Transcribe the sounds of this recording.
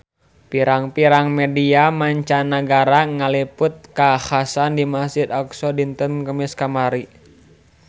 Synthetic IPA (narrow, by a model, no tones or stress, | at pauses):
piɾaŋpiɾaŋmɛdiamaɲt͡ʃanaɡaɾaŋalipʊt̪̚kahasandimasid̪aksɔdint̪ənkəmiskamaɾi